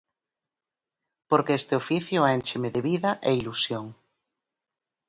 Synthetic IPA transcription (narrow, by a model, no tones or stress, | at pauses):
poɾkeest̪eofiθjoɛnt͡ʃemeðeβiðaʔeilusjoŋ